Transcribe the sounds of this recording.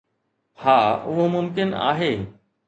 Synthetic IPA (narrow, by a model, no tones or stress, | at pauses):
haːʊɦomʊmkɪna̰ːɦeː